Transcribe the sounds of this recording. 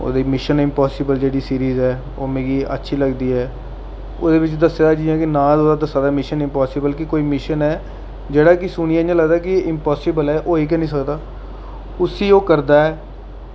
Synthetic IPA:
o̰ːd̪iːmɪʃənɪmpaːsɪbəld͡ʒeːɽiːsiːɾiːzɛː | o̰ːmẽːɡiːə̰tːʃʰiːləɡd̪iːɦɛː | o̰ːd̪eːbɪt͡ʃd̪əsaːd̪aːd͡ʒiːɛ̃ːkɪnãːd̪oːd̪aːd̪əsaːd̪aːmɪʃənɪmpaːsɪbəlkɪkoːiːmɪʃənɛː | d͡ʒeːɽaːkɪsʊɽ̃ɪ̃jãːd͡ʒãːləɡd̪aːkɪɪmpaːsɪbəlɛːʔoːɦiːk̬ɛːnĩːsəkd̪aː | ʊsiːoːkəɾd̪aːɛː

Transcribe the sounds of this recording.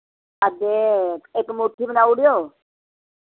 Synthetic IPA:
əd̪eeːkmoːʈʰːibənaːuɽɪjoː

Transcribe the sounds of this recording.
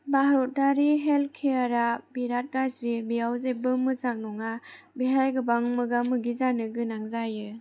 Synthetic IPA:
baɦaɾɔt̚daɾiɦelkʰeaɾabiɾat̚ɡasɾibijawzebɯmɯzak̚nɔŋa | biɦajɡɯbaŋmɯɡamɯɡizanɯɡɯnaŋzajɯ

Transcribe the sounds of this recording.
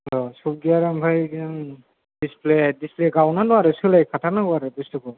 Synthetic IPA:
ɔsub̚ɡiaɾambʱajɡiam | displedispleɡawnadɔaɾɯsɯlajkʰatʰanaɡɔaɾɯbistɔkɔ

